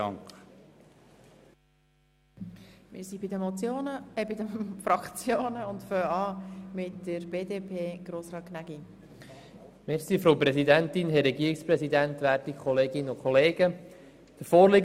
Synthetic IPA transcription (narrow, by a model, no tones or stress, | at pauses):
ɑŋk | mɪ̰ɾsibɪdəmɔt͡sjoːnəɛbɪd̪əfɾɑkt͡sjoːnəʊntføːɑːmɪtːəɾbeːdeːpʰeːɡ̥ɾoːsɾɑːknæɡ̥i | mɛɾsiːfɾoʊpɾɛsid̪ænt̪ɪnɦɛrːɛɡiːɾikspɾɛsid̪ænt̪ʋæːɾtikʰχɔleːɡɪnəʊkʰχɔleːɡ̥ə | d̪̥əɾfoːɾlɪɡ